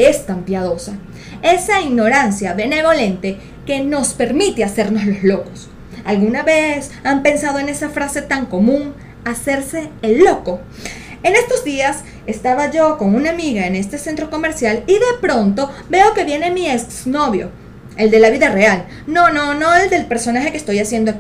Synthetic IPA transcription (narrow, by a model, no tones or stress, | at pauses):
est̪ampjað̞o̞sa | e̞saiɣno̞ɾansjaβe̞ne̞βo̞le̞nt̪e̞ | ke̞no̞spe̞ɾmit̪ease̞ɾno̞zlo̞zlo̞ko̞s | alɣunaβe̞sampe̞nsað̞o̞ene̞safɾase̞t̪aŋko̞mũŋ | ase̞ɾse̞ːlːo̞ko̞ | e̞ne̞st̪o̞zd̪ias | e̞st̪aβaʝo̞ko̞ŋunamiɣae̞ne̞st̪e̞se̞nt̪ɾo̞ko̞me̞ɾsjaliðe̞pɾo̞nt̪o̞βe̞o̞ke̞βje̞ne̞miesno̞βjo̞̰ | e̞ld̪e̞laβiðare̞al | no̞no̞no̞eld̪e̞lpe̞ɾso̞naxe̞kest̪o̞jasje̞nd̪oa